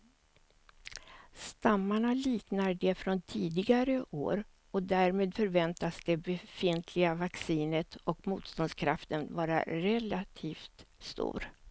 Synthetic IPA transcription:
st̪amːaɳaliːknaɖɛfɾɔnt̪ʰiːd̪ɪɡaɾəʔo̰ːɾ | ɔd̪æɾmeːd̪fœɾvɛnt̪asd̪̥ɛbɛfɪnt̪ʰlɪɡavaksiːnət̪ɔkmuːt̪st̪ɔnskʰɾa̰ft̪ənvɑːɾa̰ɾɛlat̪ʰiːft̪st̪ṵːɾ

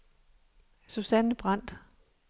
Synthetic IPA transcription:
susænəb̥ʁɑn̰d̥

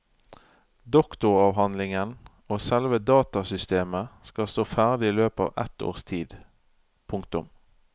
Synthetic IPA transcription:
d̪ɔkt̪ʊʁɑːʋɦɑnlɪŋən | oːsɛlʋəd̪ɑːt̪ɑsʏst̪eːməskɑst̪oːfæːʁd̪ɪiːløːpɑ̰ːʋʔɛt̪o̰ːʁst̪ʰiːd̪ | pʰʊŋkt̪ʊm

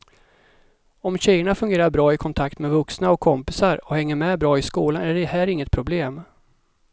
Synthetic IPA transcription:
ɔmɕɛjːəɳafɵŋɡeːɾaɾbɾɑːɪkʰɔnt̪ʰakt̪mɛvɵksnaɔkʰːɔmpɪsaɾɔhɛŋːəɾmɛbɾɑːɪskuːlanæɖɛhæːɾɪŋːət̪̚pʰɾʊbleːm

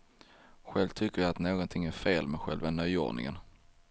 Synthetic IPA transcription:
ɧɛlvt̪ʰʏkːəɾjaat̪noːɡɔnt̪ʰɪŋːæɾfeːlmɛɧɛ̰lvanœjɔ̰ːɖɳɪ̰ŋə̰n

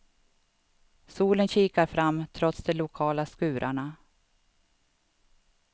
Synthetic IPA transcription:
suːlənɕiːkaɾfɾamːt̪ʰɾɔt̪sd̪ɛlʊkʰɑːlaskʉ̟ːɾʔa̰ɳa

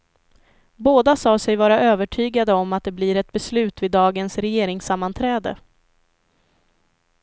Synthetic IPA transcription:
boːd̪asɑːsɛjvɑːɾaʔøːvəʈʰyːɡad̪əɔmːat̪̚d̪ɛbliːɾɛt̪̚bɛslʉ̟ːt̪vɪd̪ːɑːɡənsɾɛjeːɾɪŋsamːant̪ʰɾɛːd̪ə̰

